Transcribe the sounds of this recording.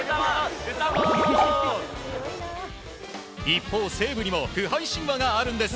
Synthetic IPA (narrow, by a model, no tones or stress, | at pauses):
ipʰːose̞ːbɯɲimokɯɦaiɕ͈iŋbaɡaːɾɯnd̪e̞sɨ̥